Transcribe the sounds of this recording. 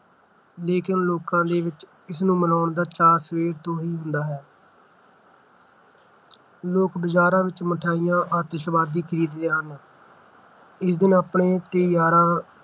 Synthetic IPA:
leːkɪnloːkãːd̪eːʋɪt͡ʃ | ɪsnũːmənaːʊɳd̪aːt͡ʃaːɾsəʋeːɾt̪õːɦiːɦʊ̃nd̪aːɦɛː | loːkbəd͡ʒaːɾãːʋɪt͡ʃməʈʰaːɪjãːʔaːt̪əʃbaːd̪iːkʰəɾiːd̪ːeːɦən | ɪsd̪ɪnaːpɳeːt̪ɪjaːɾãː

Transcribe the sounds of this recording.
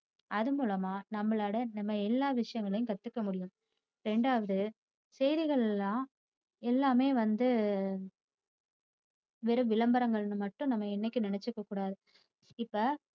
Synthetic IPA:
ʔɐðɯmuːlɐmaːnɐmːɐɭaːɽɐnɐmːɐɛlːaːʋɪʂɐjɐŋɡɐɭɐjʊ̃kɐt̪ːɯkːɐmʊɽɪjʊ̃m | ɾɛɳɖaːʋɐðɯ | sɛjðɪɣɐɭɛlːãː | ɛlːaːmeːʋɐnd̪ɯ | ʋɛɾɯʋɪlɐmbɐɾɐŋɡɐɭnːɯmɐʈːʊ̃nɐmːɐɛnːɛkʲːɯnɪnɛt͡ʃːɯkːɐkːuːɽaːðɯ | ɪpːɐ

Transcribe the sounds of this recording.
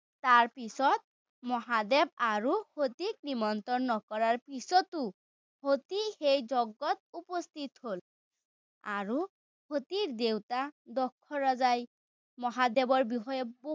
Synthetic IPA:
t̪aɹpisɔt̪̚ | mɔɦad̪ɛb̚aɹuhot̪ik̚nimɔnt̪ɔnːɔkɔɹaɹpisɔt̪u | hot̪ixejzɔɡːɔt̪̚upɔst̪ʰit̪hol | a̰ɹu | hot̪iɹd̪ewtad̪ɔkʰːɔɹazaj | mɔɦad̪ɛbɔɹbiɦɔjɛbo

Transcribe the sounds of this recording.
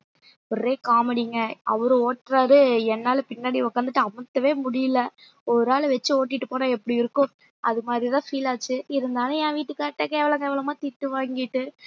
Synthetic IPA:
pɔreːkaːmɐɽiŋɡɐɐʋɐɾɯ̃oːʈːɾaːɾɯɛnːaːlpɪnːaːɽiʋɔkːaːnd̪ɯʈːɯɐmɐt̪ːɐʋeːmʊɽɪjɪlɐ | ɔɾaːlʋɛt͡ʃːɯoːʈ̬ːɪʈːɯpoːnaːɛpːɐɽiɪɾɯkːʊ̃ | ʔɐðɯmaːd̪ɾɪðãːfiːlaːt͡ʃːɯɪɾɯnd̪aːnɐ̃jãːʋiːʈːɯkːaːʈːekeːʋɐlɐŋɡeːʋɐlɐmaːt̪ɪʈːɯʋaːŋɡɪʈːɯ

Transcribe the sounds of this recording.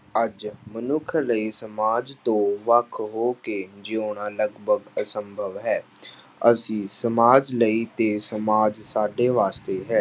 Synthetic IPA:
əd͡ʒmənʊkʰləiːsəmaːd͡ʒt̪õːʋəkʰɦoːkeːd͡ʒɪoːɳaːləɡbʱəɡəsəmbʱəʋɦɛː | əsĩːsəmaːd͡ʒləiːt̪eːsəmaːd͡ʒsaːɖeːʋaːst̪eːɦɛː

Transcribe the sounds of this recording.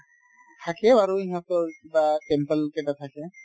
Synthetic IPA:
t̪ʰakɛaɹuiɦãt̪ɔkibatɛmpɛlkɛtat̪ʰakɛ

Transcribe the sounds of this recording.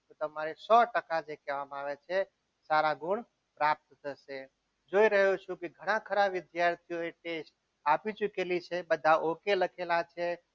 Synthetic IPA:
t̪ot̪əmaɾesɔʈəkad͡ʒekeʋamaʋet͡ʃʰɛ | saɾaɡuɳ | pɾap̚t̪t̪əse | d͡ʒoiɾəɦut͡ʃʰũkiɡʱəɽ̃akʰəɾaɪd̪jaɾt̪ʰijoiʈesʈ | apit͡ʃukelit͡ʃʰɛbəd̪ʱaʔokeləkʰelat͡ʃʰɛ

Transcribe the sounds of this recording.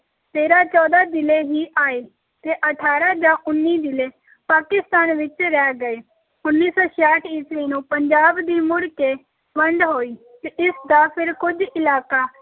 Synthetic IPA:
t̪eːɾaːt͡ʃɔːd̪aːd͡ʒɪleːɦiːʔaːeː | t̪eːʔəʈʰaːɾaːd͡ʒãːʔʊnːiːd͡ʒɪleː | paːkɪst̪aːnʋɪt͡ʃɾɛːɡəeː | ʊnːiːsɔːʃaːʈʰiːsɾiːnũːpəɲd͡ʒaːbd̪iːmʊɽkeː | ʋə̃ɳɖɦoːiː | t̪eʔɪsd̪aːpʰɪɾkʊd͡ʒɪlaːkaː

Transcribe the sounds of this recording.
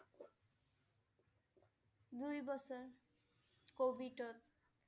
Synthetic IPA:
d̪ujbɔsɔɹ | kobʱiʈɔt̪̚

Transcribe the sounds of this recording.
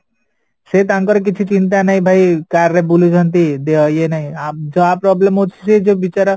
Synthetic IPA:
set̪̬ãŋkɔɾk̬it͡ʃʰit͡ʃint̪̬anaĩbʱaikaɾɾebulud͡ʒʱənt̪id̪eɔjenaɦĩad͡ʒoaːpːɾɔːblemɦot͡ʃʰi̥sed͡ʒobit͡ʃaɾa

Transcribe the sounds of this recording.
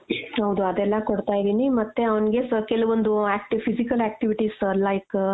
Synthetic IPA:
hɐwd̪uɐd̪ɛlːɐkoɽt̪aːjid̪iːnimɐt̪ːe̞ɐʋɐnɡe̞sɐkɛluʋond̪uaːk̚ʈipʰisikɐlæːk̚ʈiʋiʈislɐjk

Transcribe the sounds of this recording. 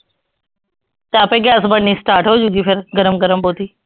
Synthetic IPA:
t̪ãːpẽːɡaːsbəɳniːsʈaːɾʈɦoːd͡ʒuɡiːpʰɪɾɡəɾəmɡəɾəmɓoːt̪iː

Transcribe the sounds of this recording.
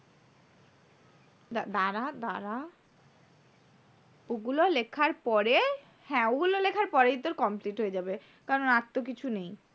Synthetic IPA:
d̪ad̪aɾad̪aɾa | oɡulolekʰaɾpɔɾe | hɛ̃oɡulolekʰaɾpɔɾejt̪oɾkɔmpliʈɦoed͡ʑabe | kaɾonat̪ːok̬it͡ɕʰunej

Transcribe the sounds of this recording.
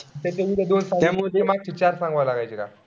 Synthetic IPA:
t̪et̪eʋiɾed̪onsãŋt̪emot̪emak̚t͡ɕʰit͡ɕaɾsãŋɡʋalaɡajt͡ɕeka̰

